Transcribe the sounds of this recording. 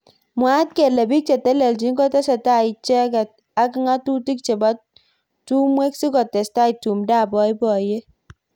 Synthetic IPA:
mwa˦t̚ke˨le˨bi˦k̚t͡ʃe˨tɛ˦le˨ld͡ʒi˨˦ŋɡɔ˦tɛ˦sa˨ta˦i˨t͡ʃɛ˦kɛ˨t̚ | a˦kɪ˦ŋa˦tu˦ti˦k̚t͡ʃe˨ba˦ | tu˦mwe˦ksi˦kɔ˨tɛ˨sta˦i˨tu˨mda˦˨bɔ˨˦jbɔ˨je˦

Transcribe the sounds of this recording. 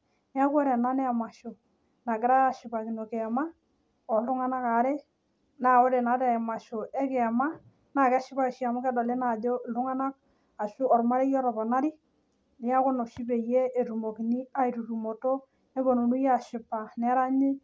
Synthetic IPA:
nɪ˦a˦kwɛ˦ɾɛ˨na˦nɛ˦a˨ma˨ʃo˨ | na˨ɡɪ˦ɾa˦ja˨ʃɪ˨pa˨ki˨no˨ke˨ma˦ | ɔ˨lʊ˦ŋa˦na˦ka˨˦ɾe˦ | na˨ɔ˦ɾe˨na˨˦tɛ˨ɛ˨ma˨ʃo˨ʔɛ˦kɛ˨ma˦ | na˨kɛ˦ʃɪ˦pa˦˨ʃi˦a˨mʊ˦kɛ˦dɔ˨le˦na˨do˦˨lʊ˦ŋa˦na˦k̚ | a˨ʃu˦ɔ˨ɾma˦ɾe˦jɔ˦ɾɔ˨bɔ˨na˦ɾi˦ | nɪ˦ja˦kʊ˦nɔ˨ʃi˦pe˨je˦e˨ɾu˨mo˨ki˨ni˦a˦i˨ɾu˨ɾu˨mo˨to˦ | e˦bo˨no˨nu˦ja˨ʃɪ˨pa˨nɛ˨˦ɾa˦ɲɪ˦

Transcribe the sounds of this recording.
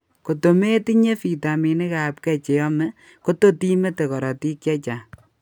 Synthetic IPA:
ko˨to˨me˦ti˦ɲe˦fi˨ta˨mi˨ne˦ka˨p̚kɛ˦t͡ʃe˨jɔ˦mɛ˦ | ko˦to˦ti˦me˦te˨kɔ˨ɾɔ˨ti˦kjɛ˦t͡ʃa˨

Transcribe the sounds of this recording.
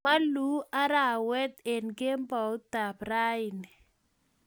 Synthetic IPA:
ma˦lu˦a˦ɾa˦˨wɛ˦t̪e˨nɡe˦mbɔ˨˦t̪a˨pra˦ɪ˨nɪ˨

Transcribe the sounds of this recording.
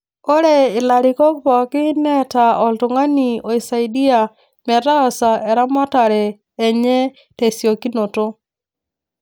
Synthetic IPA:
o˦ɾe˨ɪ˨la˨ɾi˨kɔ˦pɔ˨kɪ˦nɛ˦ta˨ɔ˨ltu˨ŋa˦ni˨o˨i˨sa˨idi˦a˨ | mɛ˨ta˦ɔ˨sa˨ʔɛ˨ɾa˦ma˦ta˨ɾɛː˨ | ɲɛ˦ | te˨sjo˨ki˦no˨to˦

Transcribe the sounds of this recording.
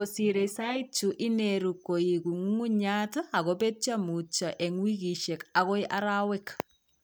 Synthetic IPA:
osiɾe˨sait͡ʃu˨ʔi˦neɾukːo˨iku˨ŋu˦ŋu˦ɲata˨ɣobe˦t͡ʃamu˨t͡ʃa˨ʔe˨ŋwi˦ki˨ʃe˨kaɣɔ˦jʔa˦ɾawɛk

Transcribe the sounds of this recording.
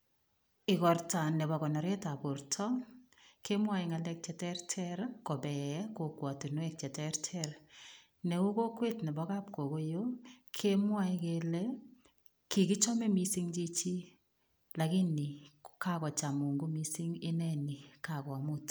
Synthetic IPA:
ɪ˨kɔ˨rta˨nɛ˨βɔ˨kɔ˨nɔ˨ɾɛ˦ta˨po˨ɾtʰɔ˦ | kʰe˦mwa˦i˨ŋa˨lɛ˦k̚t͡ʃɛ˨tɛ˦rtʰɛ˦ɾko˨bɛ˨˦ko˨kwa˨tu˨nwɛ˦k̚t͡ʃɛ˨tɛ˦ɾtʰɛr | nɛ˨u˦ko˦kwe˦tnɛ˨bɔ˦ka˦p̚ko˨ɣo˦jokʰe˦mwa˦ikelɛ | ki˨ki˦t͡ʃɔ˦mɛ˦mi˦si˦ŋt͡ʃi˦t͡ʃi˦ | la˨ɣɪ˦ni˨ka˦kɔ˨t͡ʃa˨mu˨ŋɡo˦mi˦si˦ŋe˦nɛ˦ni˨ka˨ka˨mʊ˦t

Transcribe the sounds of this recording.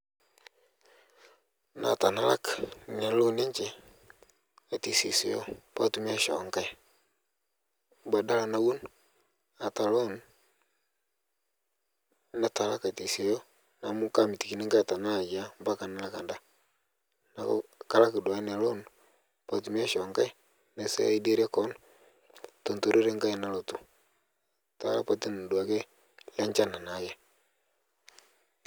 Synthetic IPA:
na̰˨ta˨na˦la̰˦kne˨lo˦ne˦ɲt͡ʃe˨ | a˨ti˨si˨sɪ˨jo˦pa˦tu˨mi˦a˦ʃɔ̰˨˦ŋka˦j | ba˨da˦la˨na˦wu˦n | a˨ta˨lo˦n | na˨ta˨la˦ka˨ti˨se˨jɔ˦ | na˨mu˦ka˦mi˨ti˨ki˨ne˦ŋɡa˦˨ta˨na˦˨ja˦mba˦ka˨na˦la˦ka˨nda˦ | na˨ko̰˦ka˦la˦ki˨dwa˨i˦ne˨lo˦nu | pa˨ti˨˦m˦a˦ʃɔ˨ŋɡa˦i˦ | ne˨sḛ˦i˦de˦ɾe˦kɔ˦nu | to˨nto˨ɾe˦ɾe˦ŋɡa˦i˦na˦lo˨tu˨ | ta̰˨la̰˦pa˨ti˦n˨dwa˨ke˦ | la˦ɲt͡ʃa˦na˨na˨je˦

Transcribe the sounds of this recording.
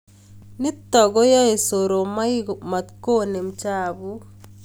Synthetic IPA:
ni˦t̪ːɔ˨ɡo˦jɔ˦e˨so˨ɾo˨ma˦ima˨t̪ko˦ne˨mt͡ʃa˦bu˦

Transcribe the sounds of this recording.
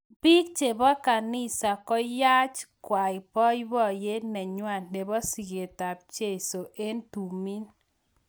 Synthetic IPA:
bi˦k̚t͡ʃe˨bɔ˦ka˨nɪ˦sa˨kɔ˦ja˦t͡ʃkwa˨i˨pɔ˦jbɔ˦˨je˦nɛ˨ɲwa˦˨nne˨bɔ˦si˨ɡe˨ta˨p̚t͡ʃe˦˨so˨ʔe˦ntu˨mi˦n

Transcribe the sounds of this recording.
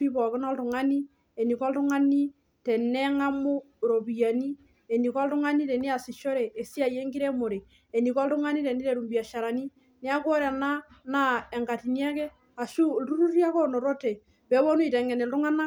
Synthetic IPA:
pi˦pɔ˨ki˦na˦ltu˨ŋa˦ni˦ | e˨ni˨kɔ˦ltu˦ŋa˦ni˦ | tɛ˨nɛ˦ŋa˦mo˦ɾo˨bi˨a˨ni˦ | e˨ni˨kɔ˦ltu˦ŋa˦ni˦tɛ˨ni˦a˨si˨ʃɔ˦ɾɛː˨si˦a˨je˦ŋɡi˦ɾɛ˦mo˨ɾe˨ | e˨ni˨kɔ˦ltu˦ŋa˦ni˦tɛ˨ni˦tɛ˨ɾu˨mbi˨a˨ʃa˨ɾa˨ni˦ | ne˦a˦kwɔ˦ɾa˨na˦na˦ɛ˨ŋɡa˨ti˨njɛ˦kɛ˦ | a˨ʃu˦ltu˦ɾu˦ɾi˦a˦kɔ˦nɔ˨ɾɔ˦tɛ˨ | pɛ˨˦βɔ˦nu˦i˨tɛ˨ŋɛ˨nɛ˨ltu˦ŋa˦na˦

